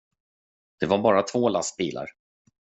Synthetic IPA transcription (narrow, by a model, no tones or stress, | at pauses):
d̪̥ɛvaɾbɑːɾat̪ʰvoːlast̪̚biːlʔa̰ɾ